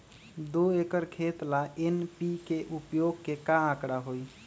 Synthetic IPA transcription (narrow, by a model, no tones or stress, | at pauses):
d̪oekəɾkʰet̪laenpikeʔupjoɡkekããkɾaɦoj